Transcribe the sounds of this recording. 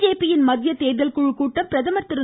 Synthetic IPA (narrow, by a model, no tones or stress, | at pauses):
d͡ʒeːpɪjɪnmɐd̪jɐt̪eːðɐlkʊɻkuːʈːɐpɾɐðɐmɐt̪ːɪɾɯ